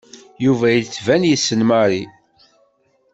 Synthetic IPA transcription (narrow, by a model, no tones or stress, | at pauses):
juvæjət͡sːvænjisːənmaɾi